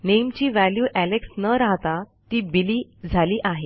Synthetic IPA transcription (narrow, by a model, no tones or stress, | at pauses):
nemt͡ɕiːʋæljuːʔæleksnəɾaɦt̪at̪iːbiliːd͡zʱaliːʔaɦe